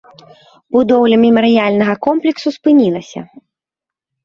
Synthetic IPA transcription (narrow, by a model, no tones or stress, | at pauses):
bud̪ɔwlʲɐmʲimɐɾɨjalʲnɐɣɐkɔmplʲɛksuspɨnʲilˠɐsʲɐ̰